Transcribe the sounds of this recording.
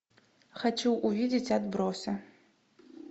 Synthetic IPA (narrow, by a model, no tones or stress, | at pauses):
xat͡ʃɛwʔuvʲid͡zʲit͡sʲad̪bɾowsʲɐ